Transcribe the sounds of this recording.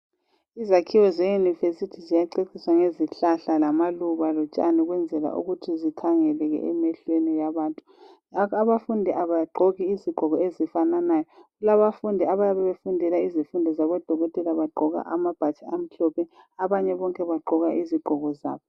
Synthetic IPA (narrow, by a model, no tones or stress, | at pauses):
izakʰiwɔzejunivesitʰizijaǃekʰiswaŋeziɬaɬalamaluβalɔt͡ʃʼaniɣwɛnd͡zʱɛla̰ʔṵɣutʰizitʰaŋɛlɛɣɛ̰ɛmɛɬwenijaβaːntʼu | aβafundʱiʔaβaɡ͡ǃʱɔɣiːziɡ͡ǃ̥ʱɔɣɔezifananajɔɣulaβafundʱiaβajaβɛβefundʱɛlaizifundʱɔzaβɔd̥ʱɔɣɔtʼɛlaβaɡ͡ǃʱɔɣa̰ʔamab̥ʱat͡ʃʰʼaam̩ɬɔpʰɛ | aβaɲɛβɔŋkʼɛβaɡ͡ǃʱɔɣaʔiziɡ͡ǃ̥ʱɔɣɔza̰ːβɔ